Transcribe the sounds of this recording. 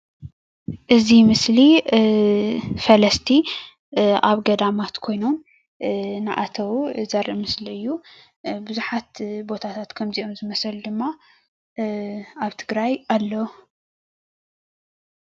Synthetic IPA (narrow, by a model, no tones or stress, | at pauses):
ʔɨzimɨsli | fɐlɐst̪ʰi | ʔaβɡɐd̪amat̪kʰo̞jno̞m | nɨʔat̪ʰɐwzɐɾʔɨmɨsliɨjːu | bɨzuħat̪bo̞t̪ʰat̪ʰat̪kʰɐmziʔo̞mzɨmɐsɐld̪ɨmːa | aβt̪ʰɨɡɾajalːɐw